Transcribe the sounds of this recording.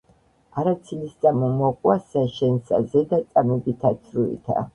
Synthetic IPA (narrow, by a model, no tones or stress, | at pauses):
aɾat̪sʰilist̪sʼamɔmɔkʼwasaʃɛnsa̰zɛd̪at̪sʼamɛbit̪ʰat̪sʰɾuḭt̪ʰa̰